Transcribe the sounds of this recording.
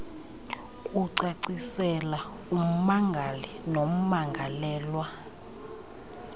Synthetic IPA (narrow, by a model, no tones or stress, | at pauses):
kʼuǀaǀisɛla | um̩maŋɡʱalinom̩maŋɡʱalɛːlwa